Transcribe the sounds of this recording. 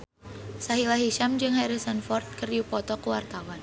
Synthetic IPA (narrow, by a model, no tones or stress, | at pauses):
saɦilaɦiʃamd͡ʒɨŋhaɾisanfɔrt̪̚kərjupɔt̪ɔkuwart̪awan